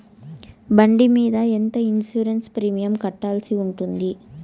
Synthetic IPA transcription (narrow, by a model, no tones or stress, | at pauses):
bɐɳɖimiːd̪ɐɛnt̪ɐinsuːɾɐnspɾiːmijɐmkɐʈːaːlsiuɳʈund̪i